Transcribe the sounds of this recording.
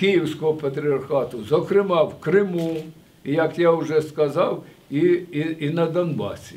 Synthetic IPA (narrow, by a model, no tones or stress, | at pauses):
kɪjiwsʲkɔɦɔpɐt̪ɾʲiɐrxɑt̪ʊzɔkɾɪmɑwkɾɪmu | ijɐkjaʊʒɛskɐzɑw | iːnɐd̪ɐnbɑ̰sʲi